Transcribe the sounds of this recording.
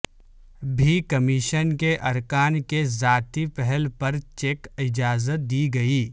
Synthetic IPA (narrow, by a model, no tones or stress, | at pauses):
bʱikɐmɪʃənkeʔɐɾkaːnkezaːt̪ipɛɦɛlpɐɾt͡ʃeːkɪd͡ʒaːzət̪̚d̪iːɡɐiː